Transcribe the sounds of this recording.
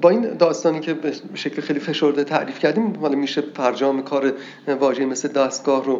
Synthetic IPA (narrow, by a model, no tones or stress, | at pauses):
bɒːiːnd̪ɒːst̪ɒːniːcʰebeeʃecʰlexejlife̞ʃoɾd̪et̪ʰæʔɾiːfcʰæɾd̪iːmhɒːlɒmiːʃepʰæɾd͡ʒɒːmekʰɒːɾe | vɒːʒeime̞sled̪æːst̪̚ɡɒːhro